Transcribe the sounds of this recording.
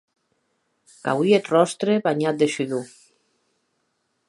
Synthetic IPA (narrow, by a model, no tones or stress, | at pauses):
ka̰wiet̪rɔst̪ɾeβaɲat̪̚d̪eʃyðu